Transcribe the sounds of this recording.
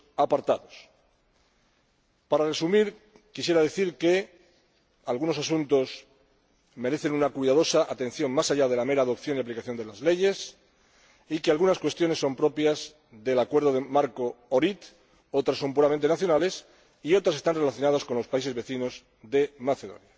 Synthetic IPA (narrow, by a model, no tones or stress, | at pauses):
apaɾt̪aðo̞s | paɾare̞sumiɾ | kisje̞ɾaðe̞θiɾke̞ | alɣuno̞sasunt̪o̞s | me̞ɾe̞θe̞nunakwiðað̞o̞saʔat̪ẽ̞n̟θjo̞ŋmasaʎað̞e̞lame̞ɾaːðo̞pθjo̞niaplikaθjo̞nd̪e̞lazle̞ʝe̞s | ikealɣunaskwe̞st̪jo̞nesːo̞mpɾo̞pjaz | ðe̞lakwe̞ɾð̞o̞ðemaɾko̞oɾit̪ | o̞t̪ɾasːo̞mpuɾament̪e̞naθjo̞nale̞s | io̞t̪ɾase̞st̪anre̞laθjo̞nað̞asko̞nlo̞spais̬eβe̞θino̞z | ðe̞maθe̞ðo̞̰nja